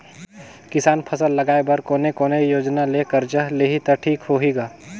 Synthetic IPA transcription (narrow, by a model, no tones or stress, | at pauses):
kɪsaːnpʰɐsəlːɐɡaːebɐɾkoːnekoːnejoːd͡ʒnaleːkəɾd͡ʒəɦleːɦit̪ɐʈʰiːkɦoːɦiːɡaː